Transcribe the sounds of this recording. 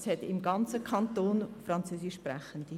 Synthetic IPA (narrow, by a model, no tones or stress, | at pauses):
shɛtɪmɡɑnt͡səkʰɑnt̪oːnfɾɑnt͡søːsɪʃːprɛχənd̥i